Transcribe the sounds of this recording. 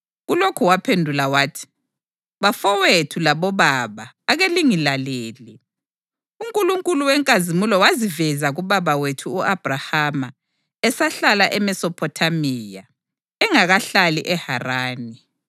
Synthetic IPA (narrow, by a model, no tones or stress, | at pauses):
ɣulokʰuwapʰendʱulawaːtʰi̥ | βafɔwetʰulaβɔβaβaːɣeliŋilaleːli | uŋkʼuluŋkʼuluwɛŋkʼazimulɔwazivɛzaɣuβaβawetʰuːʔab̥ʱrahama | ɛsaɬalaʔɛmɛsɔpʰɔtʰamiːja | ɛŋaɣaɬaliʔɛharaːni